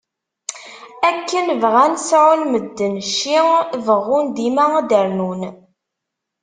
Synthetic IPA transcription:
ækːənvʁænsʕʊlməd̪ːənʃiŋvəʁːʊnd̪imæd̪əɾnun

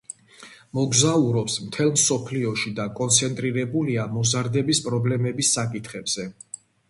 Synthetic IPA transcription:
mɔɡzauɾɔpsmt̪ʰɛlˠmsɔpʰliɔʃid̪akʼɔnt̪sʰɛnt̪ʼɾiɾɛbuliamɔzaɾd̪ɛbispʼɾɔblɛmɛbisːakʼit̪ʰχɛbz̥ɛ

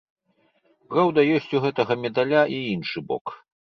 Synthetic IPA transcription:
pɾawd̪ɐjɔsʲt͡sʲuɣɛt̪ɐɣɐmʲɛd̪alʲaʔiinʂɨbɔ̰k

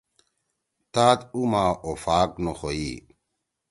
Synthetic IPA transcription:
t̪aːt̪umaːʔofaːknoxoi

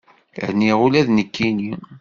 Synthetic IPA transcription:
hniʁulæðnəkːini

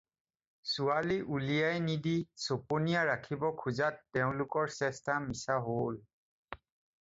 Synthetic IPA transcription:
sualiʔulijajnidisoponijaɹakʰibɔkʰuzatːɛʊ̃lʊkɔɹsɛstamisaɦol

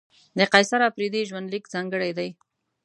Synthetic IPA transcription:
d̪əqajsaɾapɾid̪iʒwand̪likzɑŋɡəɽajd̪aj

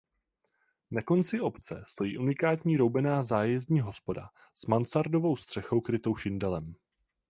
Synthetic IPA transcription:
nako̞nt͡sɪʔo̞pt͡sɛ̰st̪o̞jḭːʔunɪkaːt̪ɲiːɾo̞wbɛnaːzaːjɛzɲiːɦo̞spo̞da̰ | smansaɾdo̞vo̞wst̪r̝̥ɛxo̞wkɾɪt̪owʃɪndɛlɛm

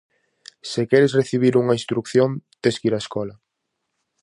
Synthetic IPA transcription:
sekɛɾɪsreθiβ̞iɾuŋɐĩnst̪ɾukθjont̪eskiɾaeskɔlɐ

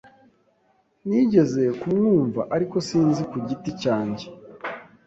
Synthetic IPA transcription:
niɟe̞ze̞kumŋuːɱva̰ʔaɾiko̞siːnzikuɟiticaːɲɟe

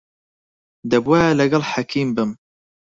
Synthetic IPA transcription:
d̪ɐbwaːlɐɡɐlħakʰiːmbəm

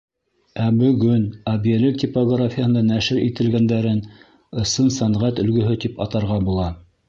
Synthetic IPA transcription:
æbɵ̆ɡɵnɑbijelɘkt̪ʲipoɡrafʲijahɤ̆nd̪ɑnæʃɘɾit̪ɘ̆lɡænd̪æɾɘn | ɤ̆sɤnsæɴʁæt̪ɵ̆lɡɵ̆ɦɵt̪ipɑt̪ɑɾʁɑbulˠɑ

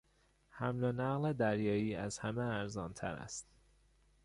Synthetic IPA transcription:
hæmlonæɣled̪æɾjɒːiːæz̥hæmeæɾzɒːnt̪ʰæ̰ɾæ̰st̪

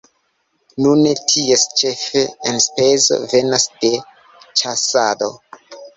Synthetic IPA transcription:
nunetʰie̞st͡ʃe̞feenspezo̞̰venasd̥e̞ | t͡ʃasado̞

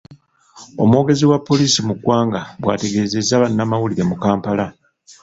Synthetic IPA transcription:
o̞mwo̞ːɡe̞ziwapːo̞liːsimuɡwaːŋɡaβwa̰ːte̞ɡe̞ːze̞zːaβanːamawuliɾe̞mukaːmpala

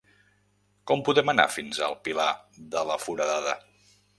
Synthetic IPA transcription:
kɔmpuðɛməna̰finzə̰lˠpilaðələfuɾəðaðə̰

